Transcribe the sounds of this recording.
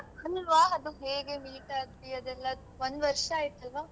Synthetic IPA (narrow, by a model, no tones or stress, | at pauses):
ɐlʋaːɐd̪uɦeːɡemiːʈaːɡt̪iɐd̪ɛlːɐ | ʋond̪ʋɐɾʂɐaːjit̪ːɐlʋaː